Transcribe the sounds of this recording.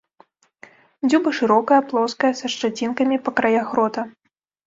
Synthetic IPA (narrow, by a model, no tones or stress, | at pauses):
d͡zʲubɨʂɨɾɔkɐjɐplˠɔskɐjɐsɐʂt͡ʂat͡sʲinkɐmʲipɐkɾajaɣɾɔt̪ɐ